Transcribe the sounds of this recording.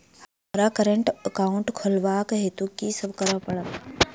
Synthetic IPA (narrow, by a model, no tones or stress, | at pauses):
hɐmɾakəɾəɳʈəkaʊɳʈkʰolʋaːkɦet̪ukiːsɐbkəɾapɐɽam